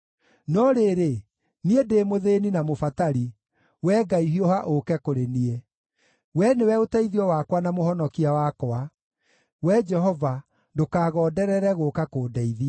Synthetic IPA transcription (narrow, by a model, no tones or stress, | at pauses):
nɔɾeɾe | niedeːmoðeninamofataɾi | wɛːɡaiɦiohaʔokɛkoɾenie | wɛnewɛotɛiðiɔwakwanamohɔnɔkiawakɔa | wɛd͡ʒɛɦɔva | dokaːɣɔːdɛɾɛɾɛɣokakoːdɛiðia